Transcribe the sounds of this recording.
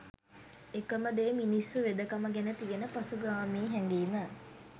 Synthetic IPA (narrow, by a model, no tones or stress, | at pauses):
ekəməd̪eːminisːuʋed̪əkaməɡænət̪iɡenəpasuɡaːmiːɦɛŋɡiːmə